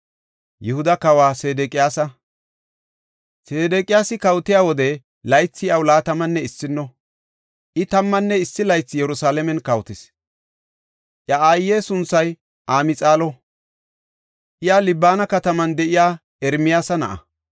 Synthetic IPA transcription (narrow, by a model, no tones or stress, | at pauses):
jɪhʊd̪ɐkɐwaːseːd̪ɛkʼɪjaːsɐ | seːd̪ɛkʼɪjaːsɪkɐwt̪ɪjaːwɔd̪ɛ | lɐjt͡sːɪjɐwlaːt̪ɐmɐnːɛɪsːɪnːɔ | ʔɪt̪ɐmːɐnːɛɪsːɪlɐjt͡sːɪjɛɾʊsaːlɛmɛnkɐwt̪ɪs | ʔjɐaːjːeːsʊnsɐj | ʔaːmɪt͡sʼaːlɔ | ʔɪjaːlɪbːaːnɐkɐt̪ɐmɐnd̪ɛʔɪjaː | ɛɾmɪjaːsɐnɐ̰ʔɐ̰